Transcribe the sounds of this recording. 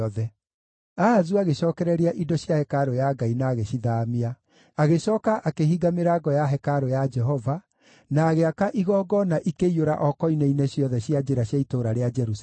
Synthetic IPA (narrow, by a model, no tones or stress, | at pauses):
ɔðɛ | aːzuaɣeɕɔːkɛɾɛɾiaʔidɔɕjahɛkaɾojaɡainaːɣeɕiðaːmia | aɣeɕɔːkaʔakeɦiɡameɾaɡɔjaɦɛkaɾojad͡ʒɛɦɔva | naːɣeakaʔiɣɔɡɔnaʔikeioɾa̰ʔɔkɔineineɕjɔðɛɕjad͡ʒeɾaɕjaitoɾaɾead͡ʒɛɾus